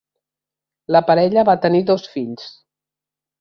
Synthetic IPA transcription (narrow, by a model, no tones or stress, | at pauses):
ləpəɾɛʎəβat̪əniðɔsfiʎs